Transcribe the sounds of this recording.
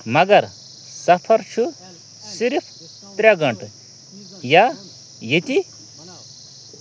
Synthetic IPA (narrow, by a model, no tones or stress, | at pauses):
mɐɡɐɾ | sɐpʰɐɾt͡ʃʰu | siɾpʰ | t̪ɾʲaɡɐɳʈ | ja | jet̪ʲi